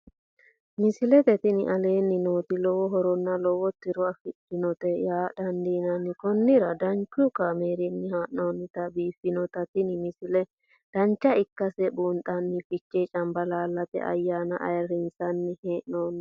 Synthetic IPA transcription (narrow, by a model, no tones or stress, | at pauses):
mɪsɪlɛt̪ɛt̪ɪnɪ̰ʔɐle̞ːnːɪnoːt̪ɪlɔwɔɦɔɾɔnːɐlɔwɔt̪ːɪɾʊɐfɪt͡ʃːɪnɔt̪ɛjaːd̪̥ɐnd̪iːnɐnːɪkɔnːɪɾɐd̪ɐnt͡ʃːukɐmeːɾɪnːɪhaːʔːoːnːɪt̪ɐbiːfːɪnɔt̪ɐt̪ɪnɪmɪsɪlɛ | d̪̥ɐnt͡ʃːɐɪkːɐsɛbuːnt̪ʼɐnːɪfɪt͡ʃːɛt͡ʃʼɐmbɐlaːlːɐt̪ɛ̰ʔɐ̰jːaːnɐ̰ʔɐ̰jɾɪnsɐnːɪheːʔnoːn